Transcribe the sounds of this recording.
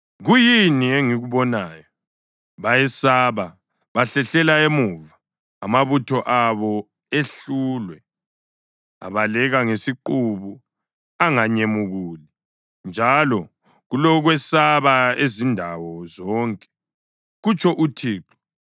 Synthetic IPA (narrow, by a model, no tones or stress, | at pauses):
ɣujinieŋiɣuβɔnaːjɔ | βajɛsaβa | βaɬɛɬɛlaemuvaː | maβutʰɔʔaβɔ | eɬulwɛ | a̰βalɛɣaŋesiǃuβu | aŋaɲemuɣuli | nd͡ʒʱalɔ | ɣulɔɣwɛsaβaezindʱawɔzɔŋkʼɛ̥ | ɣut͡ʃʰʼɔʔutʰiːǁɔ̥